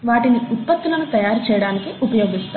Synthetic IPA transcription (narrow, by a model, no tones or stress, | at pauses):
ʋaːʈiniut̪̚pɐt̪ːulɐnut̪ɐjaːɾut͡ʃɛːjɐɽaːnikiupɐjoːɡist̪